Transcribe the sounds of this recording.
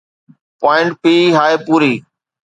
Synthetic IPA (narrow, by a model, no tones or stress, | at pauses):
paːɪ̃ɳʈ̚piːɦaːepuːɾiː